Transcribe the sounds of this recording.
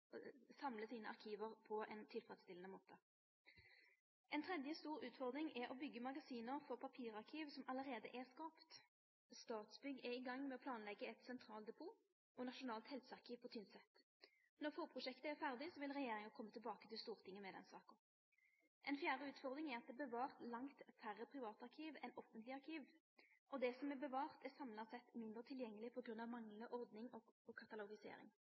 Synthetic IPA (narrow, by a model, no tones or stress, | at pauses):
sɑmləsiːnəʔɑ̰ʁkʰiːʋəʁpʰɔʔɛnt̪ʰɪlfʁɛd̪st̪ɪlənəmoːt̪ʰə | ʔɛnt̪ʰʁɛd̪jəst̪uːʁʉːt̪fɔʁd̪ɾɪŋɛɔbʏɡːəmɑɡɑsiːnəʁfɔʁpʰɑpʰiːʁɑʁkʰiːʋsɔmɑləʁeːd̪əʔɛʁskɑːpt̪ | st̪ɑːt̪sbʏɡɛɪɡɑŋːmɛɔpʰlɑːnlɛɡːəɛt̪sɛnt̪ʰʁɑːlt̪d̪ɛpʰuː | ʔɔnɑʂʊnɑːlt̪hɛlsɑʁkʰiːʋpʰɔt̪ʰʏnsɛt̪ | nɔʁfoːʁpʰʁʊʂɛkt̪əæʁfæʁd̪ɪsɔʋɪlʁɛjeːɾɪŋɑkʰɔmːət̪ʰɪlbɑːkət̪ʰɪlst̪uːʁt̪ʰɪŋːənmɛd̪ɛ̰nsɑ̰ːkən | ʔɛnfjæːʁəʉːt̪fɔʁd̪ɾʁɪŋɛʁɑt̪̚d̪ɛbəʋɑːʁt̪lɑŋt̪fæʁəpʰʁɪʋɑːt̪ɑʁkʰiːʋɛnɔfənt̪lɪɑʁkʰiːʋ | ʔɔd̪ɛsɔmɛbəʋɑːʁt̪æsɑmlɑsɛt̪mɪnd̪ʁət̪ʰɪljɛŋːəlɪpʰɔɡʁʉnːɑʋmɑŋləʔɔʁd̪nɪŋɔɔkʰɑt̪ɑlʊɡɪsḛːɾɪ̰ŋ